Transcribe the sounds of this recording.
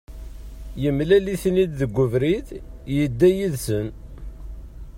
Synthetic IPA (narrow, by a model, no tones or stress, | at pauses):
jəmlæliθnid̪ðəɡʷːʊvɾiðjəd̪ːæjiðsən